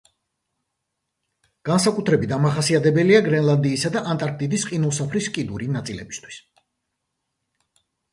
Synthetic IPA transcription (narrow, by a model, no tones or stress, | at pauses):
ɡ̥ansakʼut̪ʰɾɛbit̪̚d̪amaχasiat̪ʰɛbɛliaɡɾɛnlˠand̪iːsad̪aʔant̪ʼaɾk̚ʰt̪ʼid̪isqʼinusapʰɾiskʼid̪uɾinat̪sʼilɛ̰bist̪ʰwi̥s